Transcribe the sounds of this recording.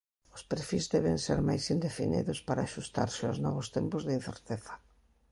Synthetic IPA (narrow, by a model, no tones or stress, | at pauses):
ʊspeɾfizðɛβɪ̃ŋseɾmajsind̪efinḭðʊspaɾaʃust̪a̰ɾsɪʊznɔβʊst̪ɛmpʊzðɪin̟θḛɾt̪eθɐ̥